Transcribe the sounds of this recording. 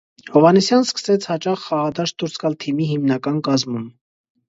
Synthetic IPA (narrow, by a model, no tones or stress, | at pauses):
hɔvɑnisjɑnskə̥sɛt͡sʰhɑt͡ʃɑχːɑʁɑd̪ɑʃd̪uɾsɡɑlt̪ʰimiɦimnɑkɑnkɑzmum